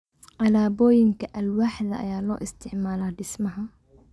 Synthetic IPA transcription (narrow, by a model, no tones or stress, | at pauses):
ʕalaːbɔːjɪŋkɐʔɐlwaːħɪd̪ɐʔɐ̰jaːlɔ̰ːʔɪst̪ʰɪʕmaːlaːdɪsmɐɦɐ